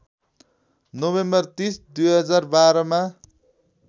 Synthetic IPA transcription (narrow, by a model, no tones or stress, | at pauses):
nobembʌrt̪isd̪ujɦʌd͡zarbaɾʌma